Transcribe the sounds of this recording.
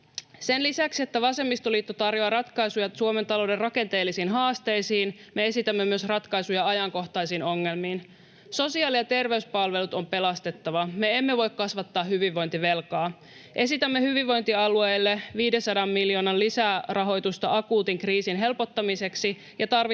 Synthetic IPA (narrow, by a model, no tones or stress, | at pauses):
senlisæksie̞t̪ːæʋɑse̞mːist̪oliːt̪ːot̪ɑrjoɑrɑt̪kɑjsujɑsuoment̪ɑlo̞wde̞rrɑke̞nt̪e̞ːlːisiːnɦɑːst̪e̞jsiːnme̞e̞sit̪æmːemyøsrɑt̪kɑjsujɑɑjɑŋko̞ht̪ɑjsiːno̞ŋːe̞lmiːn | so̞siɑːlijɑt̪e̞rʋe̞yspɑlʋe̞lut̪o̞mpe̞lɑst̪e̞t̪ːɑʋɑme̞emːeʋo̞jkkɑsʋɑt̪ːɑːɦyʋiʋːo̞jnt̪iʋe̞lkɑː | ʔe̞sit̪æmːe̞hyʋiʋːo̞jnt̪iɑluejlːeʋiːdesɑdɑmːiljo̞ːnɑnlisærɑɦo̞jt̪ust̪ɑɑkuːt̪iŋkriːsinɦe̞lpo̞t̪ːɑmise̞ksi | jɑt̪ɑrʋi